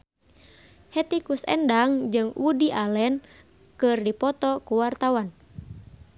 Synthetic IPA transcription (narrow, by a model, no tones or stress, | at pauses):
hɛt̪ikusɛ̰ndaŋd͡ʒɨŋwʔudiʔalɛn | kɨrdipɔt̪ɔkuwart̪awan